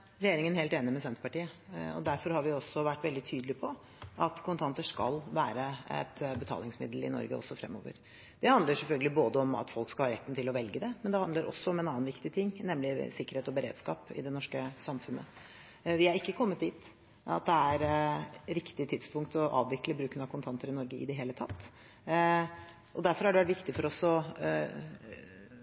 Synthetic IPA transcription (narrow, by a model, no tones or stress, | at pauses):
ɾɛjeːɾɪŋənheːlt̪eːnɪmɛsɛnt̪əpɑʈiːəɔ̰d̪æɾfɔɾhɑɾʋɪɔsːɔʋæʈːʋɛld̪ɪt̪ʰyːd̪əlɪpʰɔ | ʔɑt̪kʰʊnt̪ʰɑnt̪əʂkɑ̰lʋæːɾəɛ̰t̪bət̪ʰɑ̰ːlɪŋsmɪ̰d̪l̩ɪ̰nɔ̰ɾɡə̰ɔ̰sːɔfɾɛ̰mːɔ̰ːʋə̰ɾ | d̪̥ɛhɑnd̪əʂɛlfœlɡəlɪboːd̪əɔmɑ̰t̪fɔlkskɑlhɑːɾɛt̪ːn̩t̪ʰɪlɔʋɛlɡəd̪ɛmɛnd̪ɛhɑnd̪əɾʔɔ̰sːɔɔmɛnɑːnʋɪkt̪ɪt̪ʰɪŋːnɛmːlɪsɪkːəɾheːt̪ɔbəɾḛːd̪skɑ̰ːpɪ̰d̪ɛnɔʂkəsɑmfʉnːə̰ | ʋɪhɑɾɪkːəkʰɔmːət̪̚d̪iːt̪ | ɑ̰t̪̚d̪ɛæɾɾɪkt̪ɪt̪ʰɪd̪spʰʊŋkt̪ɔʔɑ̰ːʋʋɪkːləbɾʉːkənɑkʰʊnt̪ʰɑnt̪əɾɪnɔɾɡəɪ̰d̪ɛɦeːlət̪ʰɑt̪ː | ɔd̪æɾfɔɾhɑɖɛʋæʈʋɪkt̪ɪfɔɾɔsɔ